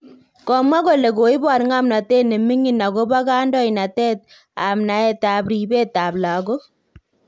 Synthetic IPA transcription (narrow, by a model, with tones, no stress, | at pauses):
kɔ˨mwa˦ko˨le˨ko˨i˦ba˨ɾŋa˦mna˨tɛ˦ne˨mi˦ŋi˦˨na˨ɣo˦βa˦ɣaː˦ndɔ˦i˨na˨tɛ˦t̚ | a˨mna˨ɛ˦˨ta˨bɾi˨be˦ta˨bla˨ɣo˦